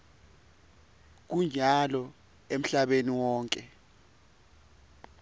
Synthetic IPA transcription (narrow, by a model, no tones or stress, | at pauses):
k̬uɲalɔ | em̩ɬaɓeniwɔːŋkʼɛ